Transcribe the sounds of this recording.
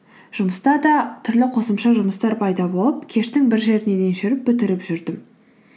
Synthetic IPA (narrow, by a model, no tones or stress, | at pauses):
ʒ̥ʊməst̪ɑd̪ɑt̪ʰʏɾlɪqʰo̞səmʃɑʒʊməst̪ɑɾpʰɑjd̪ɑbo̞lˠəp̚kʲʰe̞ʃt̪ɪŋbɪɾʒe̞ɾɪne̞d̪e̞nʃʏɾɪp̚bɪt̪ɪɾɪpʒʏɾd̪ɪm